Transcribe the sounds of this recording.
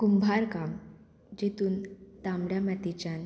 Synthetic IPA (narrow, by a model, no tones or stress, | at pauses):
kumbʱaɾkam | d͡ʑet̪uːnt̪amɽjamat̪it͡ɕan